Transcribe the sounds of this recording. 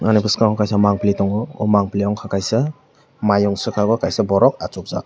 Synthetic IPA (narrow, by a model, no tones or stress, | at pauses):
anipʰɯskaŋʰakajsamaŋplitɔŋɡɔɔ̰maŋpliɔŋkʰakajsa | majɔŋsɯkʰaɡɔkajsabɔɾɔk̚at͡ʃuk̚zak̚